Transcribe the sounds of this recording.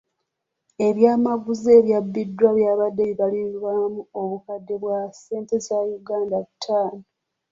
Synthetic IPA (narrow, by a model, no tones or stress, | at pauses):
e̞ɾjaːmaɡuze̞ːɾjabːidːwaβjaːβadːe̞βiβalilwamuo̞βukadːe̞βwase̞ːnte̞zajuɡaːndatʰːaːno